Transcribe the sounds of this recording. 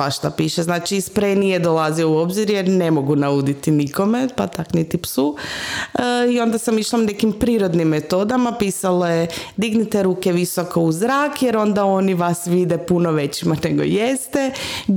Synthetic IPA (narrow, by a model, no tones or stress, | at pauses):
aʃt̪apiːʃeznaːt͡ʃispɾenied̪olaziouo̞bziɾjeɾne̞mo̞ɡunaud̪it̪iniko̞mepat̪aknit̪ipsu | io̞nd̪asamiʃlˠanekimpɾiːɾo̞d̪nimːet̪o̞d̪amapiːsalojed̪iɡnit̪eɾuːkeʋisokouzɾaːkjeɾo̞nd̪ao̞niʋasʋid̪epunoʋe̞t͡ɕimane̞ɡo̞̰jest̪e